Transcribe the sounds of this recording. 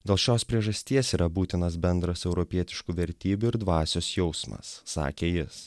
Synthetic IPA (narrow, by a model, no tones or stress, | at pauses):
d̪ʲeːlˠʃʲoːspʲɾʲiɛʒɐsʲt̪ʲiɛsiːɾɐbuːt̪ʲɪnɐs̬bʲɛnd̪ɾɐsɛʊɾɔpʲiɛt̪ʲɪʃkuːʋʲɛɾʲt̪ʲiːbʲuɪɾd̪ʋɑːsʲoːsjɛʊsmɐ̰sːɑ̰ːkʲeːjɪs